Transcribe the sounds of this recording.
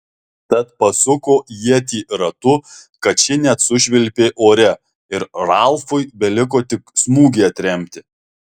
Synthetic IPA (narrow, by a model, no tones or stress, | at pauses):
t̪ɐt̪pɐsʊkoːjiɛt̪ʲiːɾɐt̪ʊ | kɐt̪̚t͡ʃʲɪnʲɛt̪sʊʒʲʋʲɪlʲpʲeːʔoːɾʲɛ | ɪɾɾɑlˠfʊɪbʲɛlʲɪk̬oːt̪ʲɪksmuːɡʲeːɐt̪ʲɾʲɛmʲt̪ʲɪ